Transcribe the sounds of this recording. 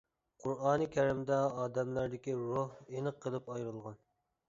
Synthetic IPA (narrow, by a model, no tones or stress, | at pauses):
qʰuɾɑːnɨkʲʰɛɾɪmd̪ɛɑːd̪ɛmlæɾd̪ɪkʲiɾohenɨqʰːəlˠɨpɑjɾɨlˠʁɑn